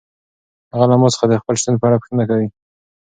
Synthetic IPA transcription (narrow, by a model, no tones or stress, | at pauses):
haɣalamosə̥xad̪əxpəlʃt̪unpəaɽapə̥xt̪ənakawi